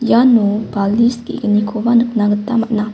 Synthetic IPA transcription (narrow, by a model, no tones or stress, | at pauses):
janubaliskḭʔɡənikʰowanəkənaɡət̪amaʔna